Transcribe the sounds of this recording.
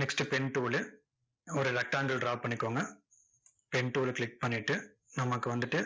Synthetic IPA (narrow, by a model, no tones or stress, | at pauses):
nɛksʈɯpɛɳʈuːlɯ | ɔɾɯɾɐk̚ʈːaːŋɡɐɭɖɾaːʋpɐɳːɪkːoːŋɡɐ | pɛɳʈuːɭkɭɪk̚pɐɳːɪʈːɯ | nɐmːɐkːɯʋɐnd̪ɯʈːɯ